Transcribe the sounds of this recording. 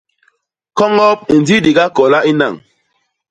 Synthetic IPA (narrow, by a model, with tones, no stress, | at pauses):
kɔ˦ŋɔ˦p̚i˨n˨di˦di˨ɡa˦kɔ˨la˦ʔi˦na̰˨ŋ